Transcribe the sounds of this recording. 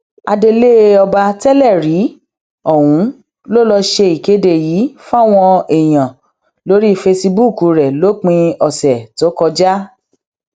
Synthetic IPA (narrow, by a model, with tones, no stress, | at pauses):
a˧de˧le˦ɔ˧ba˧tɛ˦lɛ˦˨ɾi˨˦ | ɔ˦˨wũ˨˦ | lo˦˨lɔ˧ʃe˧i˨ke˨˦de˧˨jiː˨˦fũ˦a˦˨w̃ɔ̃˧ɛ˨j̃ã˨ | lo˨˦ɾi˦fe˧si˧bu˦˨ku˨˧ɾɛ˨lo˦k͡pĩ˧ɔ˨sɛ˨to˨˦kɔ˧d͡ʒa˦